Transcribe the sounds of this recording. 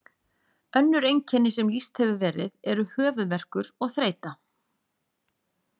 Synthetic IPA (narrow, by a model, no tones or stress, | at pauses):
œnːʏɾejɲcʰɛnːɪsɛmlist̪hɛvʏvɛːɾɪ̰ðɛɾʏhœːvʏðvɛr̥kʏɾɔɣθɾeːjt̪a